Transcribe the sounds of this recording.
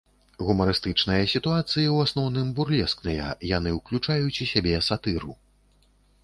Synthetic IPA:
ɣumɐɾɨst̪ɨt͡ʂnɨjɐsʲit̪uat̪sɨjiwasnɔwnɨmburlʲɛsknɨjɐ̰jan̪ɨwklʲut͡ʂajut͡sʲusʲabʲɛsat̪ɨɾu

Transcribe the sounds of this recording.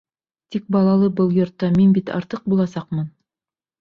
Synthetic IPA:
t̪ik̚bɑlˠɑlˠɤbɤlˠjŏɾt̪ːɑminbit̪ɑ̰ɾt̪ɤq̚bulˠɑsɑqmɤn

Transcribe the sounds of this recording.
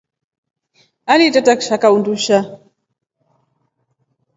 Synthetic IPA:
alitataku̥ʃakaunduʃa

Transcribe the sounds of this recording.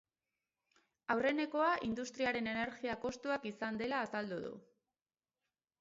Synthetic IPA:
awre̞ne̞ko̞aʔind̪ust̪ɾiaɾe̞ne̞ne̞ɾɣiako̞st̪uakisand̪e̞laːsald̪uðṵ

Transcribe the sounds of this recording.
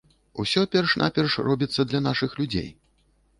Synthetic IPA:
usʲɔpʲɛrʂnʔa̰pʲɛrʂrɔbʲit̪sːɐd̪lʲɐnaʂɨxlʲud͡zʲḛj

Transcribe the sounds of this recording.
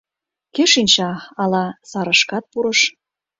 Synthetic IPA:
keʃinʲt͡ɕɑɑlɑsɑɾɤ̆ʃkɑt̪̚puɾɤ̆ʃ

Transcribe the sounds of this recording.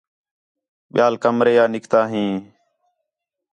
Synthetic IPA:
ɓɪjaːlkəmɾeːjaːnɪkt̪aːɦĩː

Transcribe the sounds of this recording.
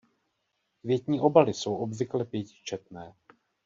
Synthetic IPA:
kvjɛt̪ɲiːʔo̞balɪso̞wʔo̞bvɪklɛpjɛcɪ̥t͡ʃɛt̪̚nɛː

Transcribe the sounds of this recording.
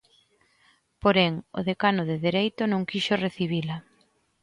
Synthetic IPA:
poɾɛŋo̰ðekanʊðeðeɾejt̪ʊnõŋkiʃʊreθiβ̞ila

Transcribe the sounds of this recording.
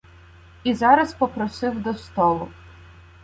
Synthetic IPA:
izɑɾɐspɔpɾɔsɪwd̪ɔst̪ɔlˠʊ

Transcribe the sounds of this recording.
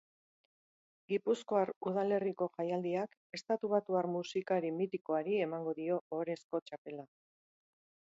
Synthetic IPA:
ɡipusko̞aɾuð̞ale̞riko̞ʝajald̪iak | e̞st̪at̪uβ̞at̪uaɾmusikaɾimit̪iko̞aɾie̞maŋɡo̞ðio̞ːɾe̞sko̞t͡ʃape̞la

